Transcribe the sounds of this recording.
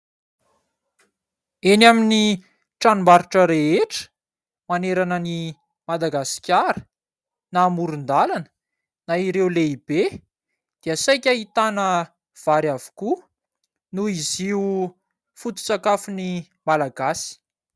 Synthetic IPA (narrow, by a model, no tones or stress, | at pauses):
enamini | ʈ͡ʂanumbaɾuʈ͡ʂəɾeeʈ͡ʂə̥ | maneɾanəni | mad̪aɡasi̥kʲaɾə̥ | naːmuɾund̪alanə̥ | naiɾewleib̥e | d̪̥iəsajkʲaɦit̪anə | v̥aɾjavu̥ku | nuiziu | fut̪u̥t͡sakafuni | malaɡasi̥